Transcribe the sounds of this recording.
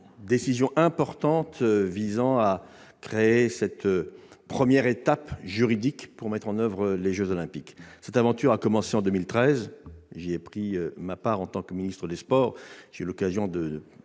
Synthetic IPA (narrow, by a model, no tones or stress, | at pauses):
d̪esizjɔ̃ʔɛ̃pɔʁt̪ɑ̃t̪vizɑ̃a | kχeesɛt̪pχəmjɛʁet̪apʒyʁid̪ikpuʁmɛt̪χɑ̃nœvʁəleʒøzɔlɛ̃piksɛt̪avɑ̃t̪yʁakɔmɑ̃seɑ̃d̪ømilt̪χɛzʒeɛpχiømapaʁɑ̃t̪ɑ̃kəminist̪χəd̪espɔːʁʒ̥eylɔkazjɔ̃d̪ə